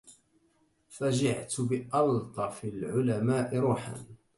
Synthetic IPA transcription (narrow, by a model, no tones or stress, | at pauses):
fad͡ʒɪʕt̪bɪʔɑlt̪ˤɑfɪlʕʊlamaːʔɪɾˤuːħa̰n